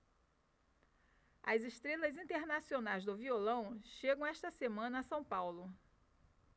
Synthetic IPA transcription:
ɐzeʃt̪ɾelɐzĩnt̪eɾnasionajzd̪ʊviolɐ̃w̃ʃeɡɐ̃w̃ɛʃt̪ɐsemɐ̃nɐsɐ̃w̃pawlʊ

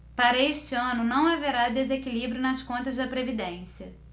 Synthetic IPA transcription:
paɾɐeʃt͡ʃɪɐ̃nʊnɐ̃w̃aveɾad̪ezekilibɾjʊnɐskõnt̪ɐzd̪ɐpɾevid̪ẽsiɐ

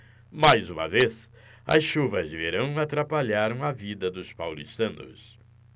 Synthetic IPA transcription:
majzũmɐ̰ves | ɐ̰sʃuvɐzveɾɐ̃w̃at̪ɾapaʎaɾɐ̃w̃ɐvid̪ɐd̪ʊspawlḭʃt̪ɐ̃nʊ̰s

